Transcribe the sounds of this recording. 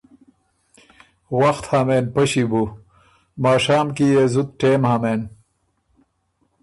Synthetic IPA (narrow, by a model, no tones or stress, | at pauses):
wɐxt̪haːmenpɐɕibu | maːʂaːmkijezut̪̚ʈeːmhameːn